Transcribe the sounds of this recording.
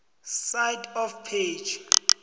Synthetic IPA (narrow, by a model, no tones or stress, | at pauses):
sajdɔfpʰed͡ʒ